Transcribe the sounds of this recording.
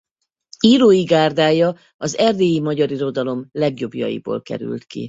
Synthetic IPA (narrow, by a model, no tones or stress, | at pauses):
iːɾoːjiɡaːrd̪aːjɒ | ɒzɛrd̪eːjimɒɟɒɾiɾo̞d̪ɒlo̞mlɛɡjo̞bjɒ̰jḭbo̰ːlkɛ̰ɾy̰lt̪kḭ